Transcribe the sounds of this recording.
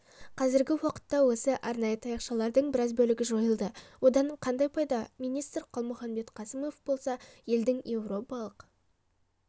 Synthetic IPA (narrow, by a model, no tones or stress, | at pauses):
qʰɑzɪɾɡʲɪwɑqə̥t̪ːɑwo̞səʔɑɾnɑjət̪ʰɑjɑqʃɑlˠɑɾd̪əɴbɪɾɑzbɵlɪɡʲɪʒo̞jəlˠd̪əwo̞d̪ɑɴqʰɑnd̪ɑjpʰɑjd̪ɑminijst̪rqʰolˠmʊχɑnbe̞t̪qʰɑsəmo̞fbo̞lˠsɑje̞ld̪ɪŋje̞wro̞pɑlˠəq